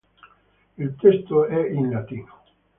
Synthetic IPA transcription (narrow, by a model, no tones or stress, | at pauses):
ilt̪est̪oɛinlat̪iːno